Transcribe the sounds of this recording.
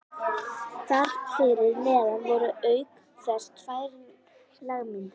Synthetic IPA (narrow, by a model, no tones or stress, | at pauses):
t̪ar̥kfɪɾɪɾmɛaðanvɔɾʏœːɥk | fɛrst̪faːjɾ | laɣmɪn